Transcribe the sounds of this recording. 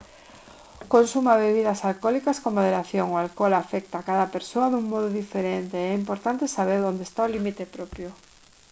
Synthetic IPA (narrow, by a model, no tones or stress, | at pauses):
konsumaβeβiðɐsalkɔlikaskomoðeɾaθjoŋoalkolafɛk̚t̪akaðɐpeɾsoaðuŋmɔðʊðifeɾent̪eɛimpoɾt̪ant̪esaβ̞eɾðond̪est̪aolimit̪epɾɔpjʊ